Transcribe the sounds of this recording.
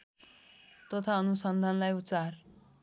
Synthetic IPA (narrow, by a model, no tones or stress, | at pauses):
t̪ʌt̪ʰaʌnusʌnd̪ʱanlajut̪sar